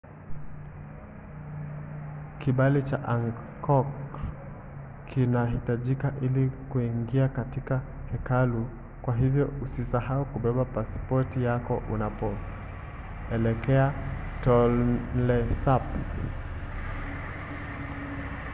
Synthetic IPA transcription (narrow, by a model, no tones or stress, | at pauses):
kiɓalit͡ʃaʔaŋkɔk | kʰinahitaʄikaʔilikuiŋɡiakatika | hɛkalu | kwaɦivjɔusisahaukuɓɛɓapaspɔtijakɔʔunapɔ | ɛlɛkɛa | tɔl̩lɛsap